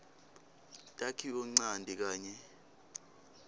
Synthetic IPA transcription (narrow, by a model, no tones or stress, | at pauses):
tʼakʰiɔŋ͡ǀandʱik̬aːɲɛ